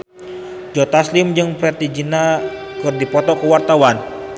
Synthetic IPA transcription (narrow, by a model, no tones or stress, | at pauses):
d͡ʒɔt̪aslɪmd͡ʒɨŋpɾɛt̪id͡ʒinakɨrdipɔt̪ɔkəwart̪awan